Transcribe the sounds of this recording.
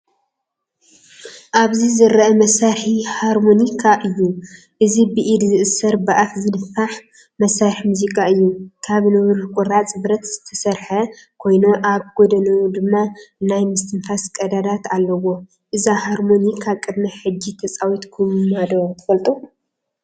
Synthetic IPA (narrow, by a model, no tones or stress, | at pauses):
ʔaβzizɨɾɐʔɐmɐsaɾħihaɾmonikʰaʔɨjːu | ʔɨzibɨʔid̪zɨʔɨsɐɾbaʔat̪zɨnɨfːaħ | mɐsːaɾħmuzikʰʼaɨjːukʰaβnɨβɾukʼʊɾat͡sʼbɾɐt̪z̥ɨt̪ʰɐsɐɾħɐ | kʰo̞jnoʔaβɡod̪ɐnɐd̪ɨmːanajmɨst̪ʰɨnfaskʼɐd̪ad̪at̪alːɐwo̞ | ʔɨzahaɾmo̞nikʰaβkʼɨd̪mɐħɨd͡ʒːit̪ʰɐt͡sʼawit̪kʰumad̪ot̪ʰɨfɐlt̪ʼu